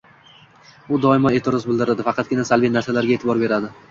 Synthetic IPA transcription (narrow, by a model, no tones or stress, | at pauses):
ʊd̪ɒɪmae̞t̪ʰɪɾɒzbɪld̪ɪɾad̪ɪfɑqʰɑt̪̚ɡʲɪnasalbijnaɾsalaɾɡʲaet̪ʰɪbɒɾbe̞ɾad̪ɪ